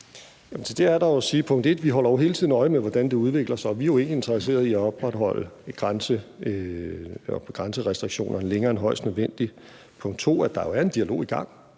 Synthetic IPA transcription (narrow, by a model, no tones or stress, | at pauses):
jæmn̩sʰed̥eæɐɾɑ̈jo̝siːpʰɔ̽ŋ̰d̥e̝d̥ʋiɦɒ̽l̰ɐjo̝ɦe̝ːlt͡sʰið̰ˠnɒ̽ɪəmeʋɒd̥ænd̥e̝uð̞ˠʋe̝ɡ̥lɐsɑ̈ɒ̽ʋiæjo̝e̝ːnlie̝nd̥ʁs̬e̝̰ːɐð̞ˠiæɒ̽b̥ʁɑ̈d̥ɦɒ̽l̰əɡ̥ʁansə | ɒɡ̥ʁɑnsəʁɛsd̥ʁiɡ̥ɕo̝̰ːnɐnəleŋɐːenɦɒ̽ɪ̰sd̥nøð̞ˠʋen̰d̥i | pʰɔ̽ŋ̰d̥t͡sʰo̝̰ːæd̥ɑ̈jo̝æɐe̝nd̥iælo̝̰ːiɡ̥ɑ̈ŋ̰